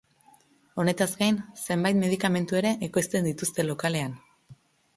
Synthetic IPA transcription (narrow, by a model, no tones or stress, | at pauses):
o̞ne̞t̪azɡajnse̞mbajt̪me̞ð̞ikame̞nt̪ue̞ɾe̞ʔːko̞jst̪e̞nd̪it̪ust̪e̞lo̞kale̞an